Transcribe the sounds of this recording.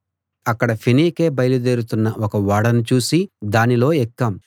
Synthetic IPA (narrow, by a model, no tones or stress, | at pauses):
ɐkːɐɽɐpʰiniːke̞ːbɐjlud̪eːɾut̪unːɐʔɔkɐʋaːɽɐnut͡ʃuːsid̪aːnilo̞ːɛkːɐm